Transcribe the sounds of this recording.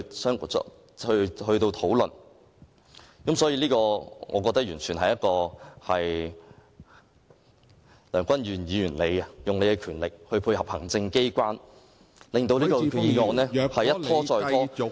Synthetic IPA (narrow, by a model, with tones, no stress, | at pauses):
sœː˥ŋɔ̰˧ | hɵ˧hɵ˧ɥt̪o˧wt̪ʰo˨˥wlɵ˨n | kɐ˨˥msɔ˨˥jiː˧liː˥kɔː˧ŋɔ̰ː˨˧kɔː˧k̚t̪ɐ˥k̚jyː˨˩nt͡ʃʰyː˨˩nɦɐ˨jɐ˥t̚kɔː˧hɐ˨j | lœː˨˩ŋkʷɐ˥njyː˨˩njiː˨˧jyː˨˩nle˨˧jɐ˧jʊ˨ŋle˨˧jkɛ˧kʰyː˨˩nlɪ˨k̚hɵ˧ɥpʰuː˧jhɐ˨˩p̚hɐ˨˩ŋt͡sɪ˧ŋke˥jkʷaː˥n | lɪ˨ŋt̪o˧wliː˥kɔː˧iː˨ŋɔː˨˧nɛː˥˧hɐ˨jjɐ˥t̪ʰːɔː˥t͡ʃɔː˧j̪ʰɔː˥